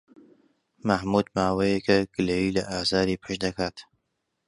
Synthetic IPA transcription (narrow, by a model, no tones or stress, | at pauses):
mɐhmuːd̪maːwejekɐɡɨlejiːlɐʔaːzaːɾiːpʰɨʃd̪ɐkaːt̪